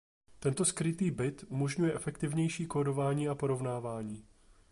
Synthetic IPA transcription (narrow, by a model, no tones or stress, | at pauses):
t̪ɛnt̪o̞skɾɪt̪iːbɪt̪ʔumo̞ʒɲujɛʔɛfɛkt̪ɪvɲɛjʃiːkoːdo̞vaːɲiːapo̞ɾo̞vnaːvaːɲiː